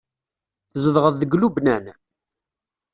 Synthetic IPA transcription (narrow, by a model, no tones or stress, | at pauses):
θəzəðʁəðːəɡlubnæn